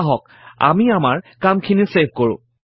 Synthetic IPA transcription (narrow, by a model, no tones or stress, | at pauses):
ɦɔk̚ | a̰miamaɹkamkʰiniseb̚ʱkoɹʊ̰̃